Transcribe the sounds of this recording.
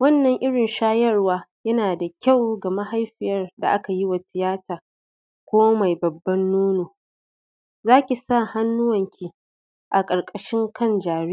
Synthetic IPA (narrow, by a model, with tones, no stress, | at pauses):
wɐ˦nːɐ˨ŋʔɪ˦ɽɪ˨nʃaː˦jɐ˦rwaː˦jɐ˦naː˨da˨kʲa˦˨wɡɐ˨ma˦ɦa˦jɸɪ˨jɐ˦rda̰˨ʔa˦ka˨ji˦wa˨tɪ˨jaː˦tʰaː˨ | kʷoː˦ma˨jbɐ˨bːɐ˦nːoː˦noː˨ | zaː˦kʲi˨sa˦˨ha˦nːʊ˦wɐ˨ŋkʲʰi˨ | ʔa˨kʼɐ˨ɽkʼɐ˨ʃɪ˦ŋkɐ˦nd͡ʒaː˨ɽi˦